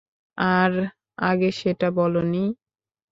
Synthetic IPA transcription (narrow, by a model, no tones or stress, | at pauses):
aɾ | a̰ɡeʃeʈabɔloni